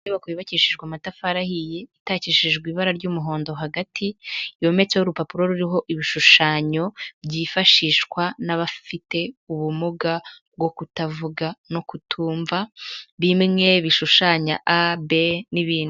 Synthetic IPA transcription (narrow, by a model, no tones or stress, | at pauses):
eβakoβiβaciʃiʒɡwamatafaɾahijeitaciːʃiʒɡwiːβaɾaɾɟuːmuɦo̞ːndo̞ɦaɡatʰijo̞ːme̞t͡sehoɾupapuɾo̞ɾuɾiɦo̞ʔiβiʃuʃaːɲo̞bɟiːfaʃiːʃkwanaβafite̞uβumuɡab̚ɡo̞kutavuɡano̞kutʰuːɱvaβimŋe̞βiʃuʃaːɲa̰ʔabe̞niβiːnu